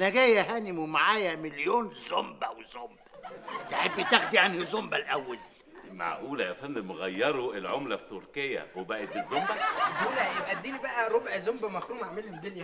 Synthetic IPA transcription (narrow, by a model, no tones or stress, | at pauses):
næɡæːjæɦæːnimwemaʕaːjæmeljoːnzombæwezombæt̪eħebːit̪æxd̪iʕanhizombælʔæwːæl | ma̰ʕʔuːlæjæfænːmoɣæjːɑɾˤuelʕomlæfi̥t̪ːoɾkejːæ̰webæːʔet̪̚bezːombæbuːnæjebʔæd̪ːiːnibæʔæɾˤobʕzombæmæxɾuːmʕamelhed̪elj